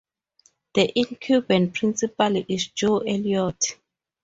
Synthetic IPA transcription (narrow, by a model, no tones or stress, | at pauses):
d̥əʔĩnkʰjubɛ̃ntpʰɹĩnsipaliʔisd͡ʒoʔɛljɔt